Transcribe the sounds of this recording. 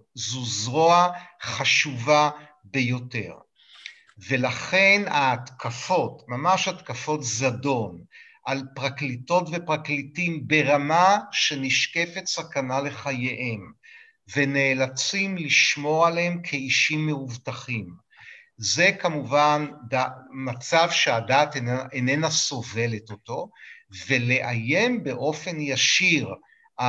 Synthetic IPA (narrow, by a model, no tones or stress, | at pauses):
zuzʁoaχaʃuva | be̞jo̞te̞ʁ | ve̞laχe̞nat̪kafo̞tmamaʃhat̪kafo̞tzado̞n | ʔalpʁaklito̞tvepʁaklitimbe̞ʁamaʃe̞niʃke̞fetsakanale̞χajeʔem | ve̞ne̞ːlat͡simliʃmo̞aleemkʰeiʃimːeuvtaχim | ze̞kamuvandamat͡savʃeadatenenaso̞ve̞letoto̞ve̞le̞ʔajembe̞ʔo̞fe̞njaʃiʁ | a